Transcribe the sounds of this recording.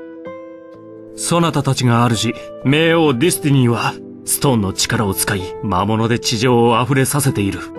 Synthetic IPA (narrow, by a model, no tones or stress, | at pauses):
so̞nat̪at̪at͡ɕiŋaːɾɯ̟ɕi | me̞ːo̞ːd̪ʲisɨ̥t̪inʲĩβa | sɨ̥t̪o̞ːnːo̞t͡ɕi̥kaɾao̞t͡sɨ̥kaimamo̞no̞d̪e̞t͡ɕiʑo̞ːaɸɯ̟ɾe̞sase̞t̪e̞iɾɯ̟